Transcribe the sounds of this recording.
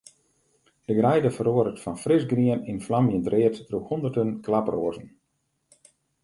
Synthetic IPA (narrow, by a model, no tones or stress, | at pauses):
d̥əɡrɛjdəfəɾoəɾətfɔnfrɪsɡriəninflamjəntrɪəttruhundərtənklaproːəzən̩